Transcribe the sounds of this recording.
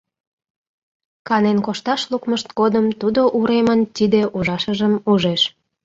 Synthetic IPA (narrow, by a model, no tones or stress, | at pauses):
kɑnenkoʃt̪ɑʃlukməʃt̪ɡod̪əmt̪ud̪oʔuɾemənt̪id̪eʔuʒɑʃəʒəmuʒeʃ